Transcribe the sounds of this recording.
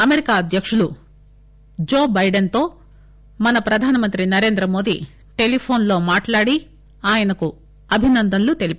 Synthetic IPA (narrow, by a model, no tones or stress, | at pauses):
ɐmeɾikaːɐd̪ʱjɐkʂulu | d͡ʒoːbɐjɖɐnt̪o̞ː | mɐnɐpɾɐd̪ʱaːnɐmɐnt̪ɾinɐɾe̞ːnd̪ɾɐmo̞ːd̪ḭ | ʈe̞lipʰo̞ːnlo̞ːmaːʈlaːɽi | aːjɐnɐku | ɐbʱinɐnd̪ʱɐnlut̪e̞lip